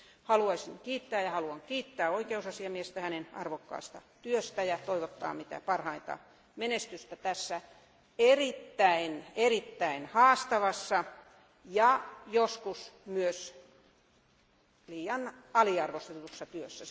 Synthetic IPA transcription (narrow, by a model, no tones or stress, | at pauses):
hɑluɑisiŋkiːt̪ːæːjɑhɑluɑŋkiːt̪ːæːoikeusɑsiɑmiest̪æhænenɑ̰rʋokːɑ̰ːst̪ɑ̰t̪yøst̪æjɑt̪oiʋot̪ːɑ̰ːmit̪æ̰pɑrhɑint̪ɑ̰ | menest̪yst̪æt̪æsːæ | erit̪ːæinerit̪ːæinhɑːst̪ɑʋɑsːɑ | jɑjoskusmyøs | liːjɑnɑliɑrʋost̪et̪usːɑt̪yøsːæ